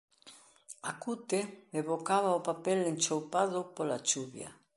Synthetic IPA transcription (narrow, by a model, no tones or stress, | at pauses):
akut̪emeβokaβaopapɛlent͡ʃowpaðopolat͡ʃuβja̰